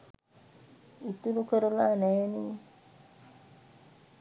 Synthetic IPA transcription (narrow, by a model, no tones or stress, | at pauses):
it̪uɾukəɾulaːnɛːniː